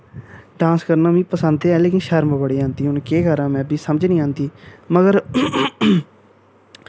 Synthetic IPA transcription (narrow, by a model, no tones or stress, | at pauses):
ɖãːnskəɾnaːmĩːpəsənd̪ɛːleːkɪnʃəɾməbəɽiːãːnd̪iːɦʊnkeːɡəɾãːmɛ̃ːbiːsəməd͡ʒnĩːãːnd̪iːməɡəɾ